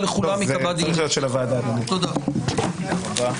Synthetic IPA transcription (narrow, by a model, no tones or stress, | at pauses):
leχulamikabad̪ijot̪ʃelavad̪ad̪anit̪od̪a | od̪a